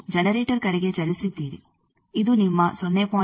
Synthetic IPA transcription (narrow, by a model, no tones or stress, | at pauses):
d͡ʒɐnɐɾeːʈɐɾkɐɽiɡet͡ʃɐlusit̪ːiːɾḭ | iðunimːɐsɔnːeːpoː